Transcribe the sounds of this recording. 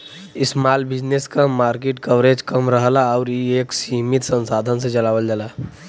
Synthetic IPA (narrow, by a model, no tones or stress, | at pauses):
ɪsmalbɪd͡ʒneskamaɾkeʈkəʋɾed͡ʒkəmɾəɦlaaʊɾjieksiɦmit̪sənsad̪ʱənsẽd͡ʒəlaʋəld͡ʒala